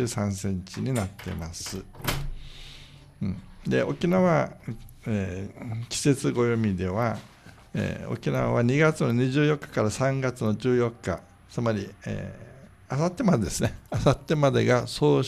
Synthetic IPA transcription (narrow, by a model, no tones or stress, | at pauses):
sãɰ̃sẽ̞ɲt͡ɕiɲ̟inat̪ːe̞̰masɨ | d̪e̞̰ʔo̞kʲinaβa | ekʲi̥se̞t͡sɨɡo̞jomʲid̪e̞βa | ḛːo̞̰kʲinaβa̰βaɲ̟iɡat͡sɨno̞ɲ̟iʑɨːjo̞kːḁkaɾasãŋɡat͡sɨno̞d͡ʑɨːjo̞kːa̰ | t͡sɨmaɾʲiḛː | asat̪ːe̞mad̪e̞d̪esɨneasat̪ːe̞mad̪e̞ɡaso̞ː